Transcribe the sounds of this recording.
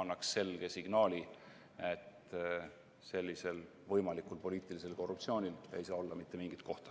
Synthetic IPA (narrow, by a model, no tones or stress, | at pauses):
ɑnːɑksːe̞lɡ̥e̞siɡ̥nɑːlʲi | et̪ | se̞lʲːise̞l | vɤjmɑlikˑulpo̞liːt̪ˑilise̞lko̞rːupt̪sio̞ːnʲile̞̰jsɑːo̞lːɑmit̪ːe̞miŋɡ̥it̪̚ko̞ht̪ɑ̥